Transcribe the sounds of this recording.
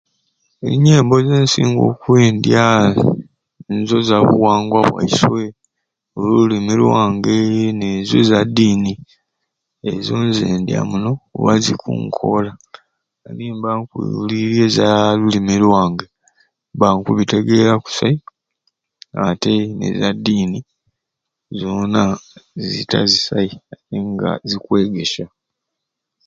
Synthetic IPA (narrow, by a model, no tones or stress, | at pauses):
eiɲe̞ːmbo̞zeːnsiːŋɡo̞̰kweːndja | nzo̞zaβṵwaːŋɡwaβwa̰iswe̞ | olululimilwaːŋɡenezozadiːni | ezoːnzeːndja̰muno̞βazikṵːŋkʰo̞̰la | aniːmbaŋkḭliɾjezalulimelwaːŋɡe | baŋkuβite̞ɡe̞ɾaku̥sai | ate̞nḛzadiːni | zonazḭtʰa̰zisaiatiŋɡa̰zikwe̞ːɡe̞ʃa